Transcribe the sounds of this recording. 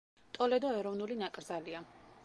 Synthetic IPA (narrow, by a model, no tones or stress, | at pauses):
t̪ʼɔlɛd̪ɔɛɾɔvnulinakʼɾzalia